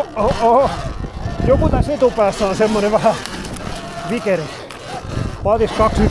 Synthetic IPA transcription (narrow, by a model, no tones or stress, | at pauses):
oo | jokut̪æset̪upæːsːɑ̃ːnsemːoneʋæhæ | ʋikeɾe | pɑðiskɑksi